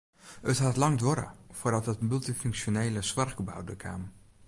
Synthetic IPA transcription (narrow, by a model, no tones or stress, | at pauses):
ətɦatlɑŋdʋoɾə̰fordɔtətmylˠtifyŋksjoneːləsʋarɡəba̰wdəkʰa̰m